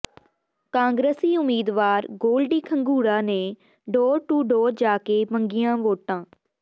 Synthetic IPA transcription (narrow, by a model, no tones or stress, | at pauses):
kãːŋɡɾəsiːʊmiːd̪ʋaːɾɡoːlɖiːkʰəŋɡuːɽãːneː | ɖɔːɾʈuːɖɔːɾd͡ʒaːkeːməŋɡɪijãːʋoːʈãː